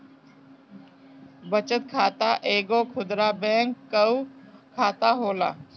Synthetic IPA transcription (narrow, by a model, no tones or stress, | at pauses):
bət͡ʃət̪̚kʰaːt̪aʔeːɡoːkʰʊd̪ɾaːbɛ̃ːŋkːəukʰaːt̪aɦoːla̰ː